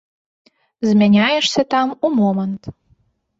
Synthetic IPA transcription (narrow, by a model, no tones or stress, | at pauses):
zmʲenʲɑjəʃsĕt̪ɑmumomənt̪